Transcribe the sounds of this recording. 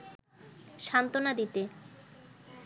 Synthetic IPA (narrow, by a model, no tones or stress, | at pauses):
ʃant̪onad̪it̪e